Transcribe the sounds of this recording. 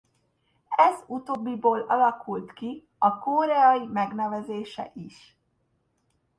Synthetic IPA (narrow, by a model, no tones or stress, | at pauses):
ɛzut̪oːbːiboːlɒlɒkʰult̪ki | ɒkoːɾɛɒjimɛɡnɛvɛzeːʃɛ̰ʔiʃ